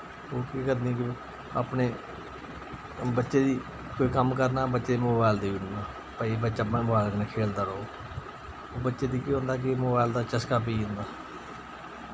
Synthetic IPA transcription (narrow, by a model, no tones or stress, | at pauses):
oːkiːkəɾd̪iɛ̃ːk̬ɪ | a̰ːpneː | bətːʃeːd̪iː | koːiːkəmkəɾnaːbətːʃeːmoːbaːɪld̪eːinaː | pəibəːʃaːbə̃ːbaːlknãkʰeːld̪aːɽoː | oːbətːʃeːd̪iːkiːɦõːnd̪aːk̬ɪmoːbaːɪld̪aːt͡ʃəskaːp̬iːʊ̃ːnd̪aː